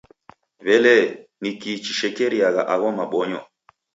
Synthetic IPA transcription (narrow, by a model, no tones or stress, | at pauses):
βɛlɛnikit͡ʃiʃɛkɛɾiaɣa̰ʔaɣɔmaɓɔɲɔ̰